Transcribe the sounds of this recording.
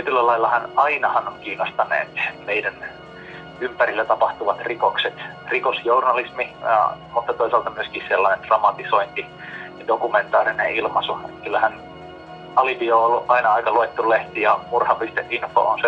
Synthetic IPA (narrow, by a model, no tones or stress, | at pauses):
t̪iet̪ylːælɑilːɑhɑnɑinɑhɑnoŋkiːnːost̪ɑnḛːt̪meidæn | ympærilːæt̪ɑpɑht̪uʋɑt̪rikokset̪ | rikosjornɑlismḭmut̪ːɑt̪oisɑlt̪ɑmyøskihsselːɑnend̪̥rɑmɑt̪isoint̪i | dokument̪ɑːrineilmɑsuḛkylːæhæn | ɑlipioːolːuʔʔɑinɑɑikɑluet̪ːulleht̪ijɑmurhɑpist̪eʔʔinfo̰onse